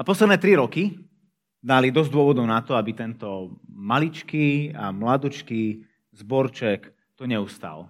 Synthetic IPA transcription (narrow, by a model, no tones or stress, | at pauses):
apɔslɛd̪nɛːt̪ɾiɾɔki | d̪alid̪ɔzd̪ʊɔʋɔd̪ɔʊnat̪ɔabit̪ɛnt̪ɔmalit͡ʃkiːa̰mlad̪ut͡ʃkiː | zbɔɾt͡ʃɛk | t̪ɔɲɛust̪a̰ːl